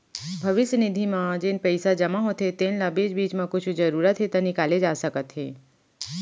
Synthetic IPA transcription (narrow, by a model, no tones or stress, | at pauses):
bʱɐʋɪʃənɪd̪ʱimãd͡ʒenpɛɪsad͡ʒɐmaɦot̪ɦet̪eːnlabeːd͡ʒbiːt͡ʃmãkʊt͡ʃʰd͡ʒɐɾuːɾət̪ɦet̪ɐnɪkaːled͡ʒaːsɐkət̪ɦeː